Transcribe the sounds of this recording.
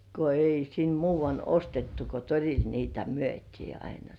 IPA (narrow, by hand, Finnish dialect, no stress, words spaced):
ko ei sin muːʋɑnː ostetːu ko toril niːtæ myøtʲiː ɑinɑ